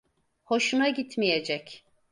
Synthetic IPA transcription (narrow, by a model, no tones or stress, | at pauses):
ho̞ʃunaɟit̪mijed͡ʒɛc